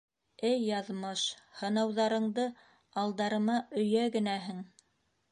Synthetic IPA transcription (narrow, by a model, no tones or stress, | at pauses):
ɘjːɑðmɤʃhɤ̆nɑwðɑɾɤ̆ɴd̪ɤ | ɑlˠd̪ɑɾɤ̆mɑʔɵ̆jæɡɘ̆næɦɘŋ